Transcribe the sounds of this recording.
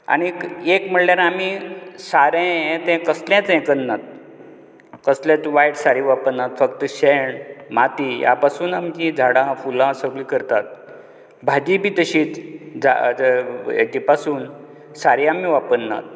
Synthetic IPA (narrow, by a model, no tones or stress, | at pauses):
a̰ɽ̃iekm̤əɽljaɾamisaɾẽɛ̃t̪ɛ̃kəsljãt͡sɛ̃kənːat̪̚ | kəslãt͡sʋajʈsaɾiːʋapənːat̪fəkt̪əɕeɳmat̪iːja̰pasuːnamd͡ʑid͡zʱaɽãfulãsəɡɭiːkəɾt̪at̪̚ | bʱad͡ʑibʱiːt̪əɕiːt͡sd͡zʱa̰ | ḛt̪ipasuːn | saɾiamiʋapənːa̰t̪̚